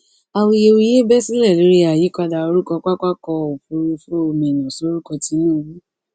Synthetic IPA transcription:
a˨˧wi˧je˧wu˧je˦bɛ˦si˦lɛ˦˨lo˨˦ɾi˦a˨ji˨˦kɔ˧da˧o˧ɾu˦kɔ˧k͡pa˦ka˦kɔ˧o˨fu˧ɾu˧fũ˦o˧mɛ̃˨nã˨so˨˦ɾu˦kɔ˧ti˨˧˦nũ˦˨wũ˨˦

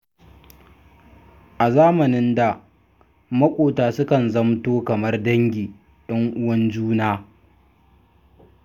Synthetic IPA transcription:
ʔa˨zaː˦mɐ˨nɪ˦nda˨ | mɐ˦kʷʼoː˨taː˨sʊ˦kɐ˨nzɐ˦mtoː˦kɐ˨mɐ˦rdɐ˦ŋɡʲiː˨ | ɗɐ˦ŋʔʊ˦wɐ˦nd͡ʒuː˦naː˦

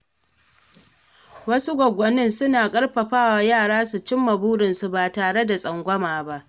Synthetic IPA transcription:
wɐ˦su˦ɡʷɔ˨ɡʷɔ˨nɪ˦nsʊ˦naː˨kʼɐ˦ɽɸɐ˨ɸaː˦˨waː˨jaː˦˨ɽaː˦su˨t͡ʃɪ˦mːɐ˨buː˦ɽɪ˨nsu˨baː˨taː˨ɽe˦da˨sʼɐ˨ŋɡʷɐ˦maː˨ba˦ʔ

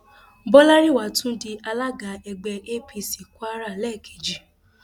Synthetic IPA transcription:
bɔ˦la˦ɾi˦˨wa˨˦tũ˦di˧ʔa˧la˦ɡa˨˦ɛ˧ɡ͡bɛ˧ʔe˦pi˧si˨ku˦a˦ɾa˦˨lɛ˦˨kʰe˨d͡ʒi˨

